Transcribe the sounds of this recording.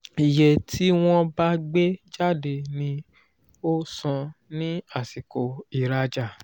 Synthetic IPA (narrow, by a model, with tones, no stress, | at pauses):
i˨je˨ti˦w̃ɔ̃˧ba˦ɡ͡be˦d͡ʒa˦˨de˨nĩ˧ | o˦sã˧nĩ˦a˦˨si˨ko˨i˨ɾa˧d͡ʒa˨